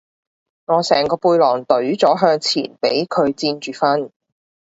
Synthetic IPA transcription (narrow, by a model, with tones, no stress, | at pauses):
ŋɔː˨˧sɛː˨˩ŋkɔː˧puː˧jlɔː˨˩ŋt̪ɵ˨˥ɥt͡sɔː˨˥ɦœː˧ŋt͡sʰḭː˨˩npe˨˥jkʰɵ˨˧ɥt͡siː˧nt͡ʃyː˨fɐ˥n